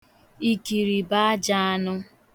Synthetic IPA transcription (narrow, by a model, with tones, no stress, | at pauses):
i˨ki˨ɾi˨ba˦a˦d͡ʒa˦a˦nʊ˦